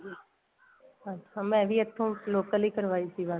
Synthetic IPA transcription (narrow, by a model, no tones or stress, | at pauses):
əamɛ̃ːʋʱiɐt̪ʰːõloːkəlikəɾʋaːisibaː